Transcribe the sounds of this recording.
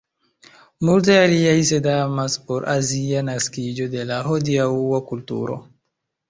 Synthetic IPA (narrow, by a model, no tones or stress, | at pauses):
mult̬ajaliajs̬edamaspoɾʔazianaskid͡ʒod̪elaɦodiauwakultṵɾo̰